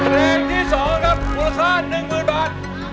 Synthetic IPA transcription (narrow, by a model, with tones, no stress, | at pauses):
ɾeː˧ŋt̪ʰiː˥˩sɔː˩˦ŋkʰa˦˥p̚uː˨˧˦sʰaː˥˩nnːɯ˨˧ŋkɯː˧nbaː˨˩t̪̚